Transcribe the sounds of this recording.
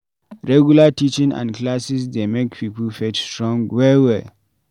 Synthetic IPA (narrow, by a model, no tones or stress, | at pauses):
ɹɛɡjulatit͡ʃĩŋã̰ndklasisdemekpʰiːpəlfɛtstɹɔ̃ŋɡwɛwɛl